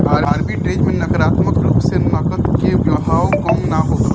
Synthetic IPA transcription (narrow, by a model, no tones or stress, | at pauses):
aɾaɾbiʈɾed͡ʒmenəkəɾat̪məkɾupsenəkət̪keʋjəɦawkəmnaɦok